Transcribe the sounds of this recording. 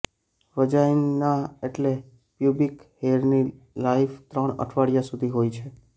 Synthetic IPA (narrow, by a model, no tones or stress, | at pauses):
ʋəd͡ʒajnaeʈle | pjubikheɾni | laift̪ɾəɳə̰ʈʰʋaɽijasud̪ʱiɦojt͡ʃʰe